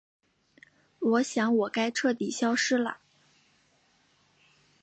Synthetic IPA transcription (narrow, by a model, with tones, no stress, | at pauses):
wɔ˧˥ɕjɑ˧˥ŋwɔ˨˩ka˥ɪʈ͡ʂʰɤ˥˩t̪i˨˩ɕjɑ˥ʊʂɻ̩˥lə̰˨˩